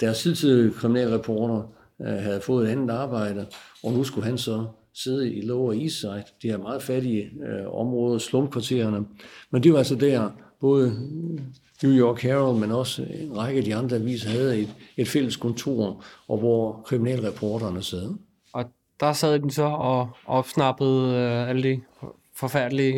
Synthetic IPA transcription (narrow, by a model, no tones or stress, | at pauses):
d̥æɐsiðˠt͡sʰiðˠiəkʰʁiminɛ̰ːlʁɛpʰɒːɾ̥ɐ | ɦæð̞ˠfɔ̽ːð̩ˠedænð̩dɑ̈ːb̥ɑ̈ɪ̰d̥əɒ̽nusɡ̥uɦænsɒ̽ | se̝ð̞ˠəilɔʊɐisɑ̈ɪd̥d̥eæmɑ̈ːð̩ˠfæɾiəɒ̽mʁɔ̽ːð̞ˠɐslɔmkʰʋɑ̈t͡sʰe̝̰ːɐnəmend̥e̝ʋɑ̈ælsəd̥æɐb̥ɔ̽ːð̞ˠə | njujɒkhæʁlmenɒ̽səenʁɑ̈ɪɡ̥əæd̥iɑ̈nd̥ʁɐæʋḭːsɐhæð̞̩ˠe̥e̝d̥fel̰əskʰɔ̽nt͡sʰo̝̰ɐ̰ʔɒ̽ʋɒkʰʁiminɛ̰ːlʁɛpʰɒːɾɐnəsɛːðˠ | ʔɒ̽ | d̥ɑ̈sɛð̰ˠd̥ensɒ̽ɒ̽ʔɒ̽b̥snɑ̈b̥əð̩ˠæləd̥e | fɒ̽fæɐ̰d̥li